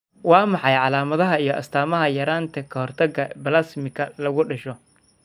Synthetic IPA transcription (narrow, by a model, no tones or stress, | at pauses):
wɑːmɑħɑjʕɑlaːmɐðɐɦɐijɔʔɐ̰st̪ʰaːmɐɦɐjɐɾaːnt̪ʰɐkʰɐhɔrt̪ʰɐɡɐbɐlaːsmɪkʰɐlɐɣʊɖɐʃɔ